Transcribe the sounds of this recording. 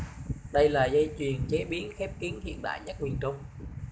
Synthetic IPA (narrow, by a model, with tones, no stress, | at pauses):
ɗə˧jlaː˨˩zə˧jt͡ɕwi˨˩ənt͡ɕe˨˦ɓi˨˦ənxɛ˦˥p̚ki˨˦ənhḭ˧˨ənɗa̰ː˧˨jɲə˦˥t̚mwi˨˩ənt͡ɕə˧wŋ͡m